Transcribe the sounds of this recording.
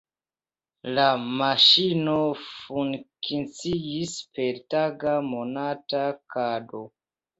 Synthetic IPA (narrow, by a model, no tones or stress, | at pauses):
lamaʃinofuŋkʰint͡siispe̞ɾtaɡamo̞natakado